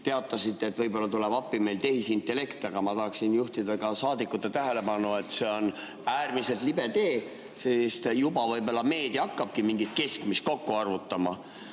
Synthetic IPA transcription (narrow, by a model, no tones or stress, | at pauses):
t̪e̞ɑt̪ːˑɑsit̪ːe̞ːt̪ːvɤjbo̞lːɑt̪ulebɑpːime̞jlt̪e̞ɦisint̪ːˑe̞le̞kt̪ɑɡ̥ɑmɑt̪ɑɦɑksinjuht̪id̪ɑɡɑsɑːd̪ikːˑut̪ːet̪æɦe̞le̞pɑnue̞t̪se̞o̞n | æːrmise̞lt̪libe̞t̪e̞ː | sest̪jubɑvɤjbo̞lːɑme̞ːd̪̥iɑkːɑb̥̚kimiŋɡit̪̚ke̞skmist̪̚ko̞kːuɑrvut̪ːɑmɑ